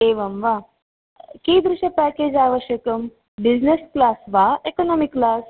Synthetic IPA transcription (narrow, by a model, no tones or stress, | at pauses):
eːʋɐmʋa | kiːd̪ɾuʃɐpɛːkeːd͡ʒaːʋəʃjɐkɐm | bid͡ʑnesklaːsʋaekonoːmikːlaːs